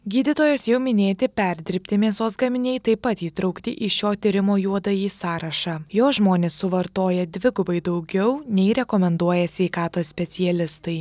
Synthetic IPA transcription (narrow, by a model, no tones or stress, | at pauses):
ɡʲiːd̪ʲɪt̪oːjɛsjɛʊmʲɪnʲeːt̪ʲɪpʲɛɾʲd̪ʲɪɾʲpʲt̪ʲɪmʲiːsoːsɡɐmʲɪnʲɛːɪt̪ɐɪpːɐt̪iːt̪ɾɐʊkt̪ʲɪʔɪʃʲoːt̪ʲɪɾʲɪmoːjuɔd̪ɐjiːsɑːɾɐʃɑːjoːsʒmoːnʲeːsːʊʋɐɾt̪oːjɛd̪ʲʋʲɪɡʊbɐɪd̪ɐʊɡʲɛʊnʲɛɪɾʲɛkɔmʲɛnd̪uɔjɛsʲʋʲɛɪkɑːt̪oːsʲpʲɛt̪sʲɪjɛlʲɪst̪ɐɪ